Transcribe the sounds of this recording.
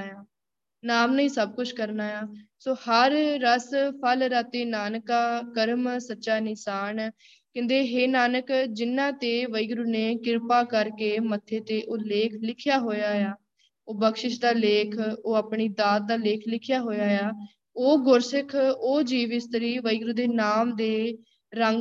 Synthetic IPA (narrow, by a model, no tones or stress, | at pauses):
jaː | naːmnəĩːsəb̚kʊt͡ʃʰkəɾnaːjaːsoːhəɾːəspʰəlɾat̪eːnaːnkaːkəɾmsətːʃaːnɪsaːn | kɪ̃nd̪eːɦeːnaːnəkd͡ʒɪnːãːt̪eːʋəiɡɾuːneːkɪɾpaːkəɾkeːmət̪ʰːeːt̪eːʔoːleːkʰlɪkʰjaːɦoːjaːjaː | oːbəkʃɪʃd̪aːleːkʰoːəpɳiːd̪aːt̪̚d̪aːleːkʰlɪkʰɪjaːɦoːjaːjaː | oːɡʊɾsɪkʰoːd͡ʒiːʋɪst̪əɾiːʋəiɡɾuːd̪eːnaːmd̪eː | ɾəŋɡ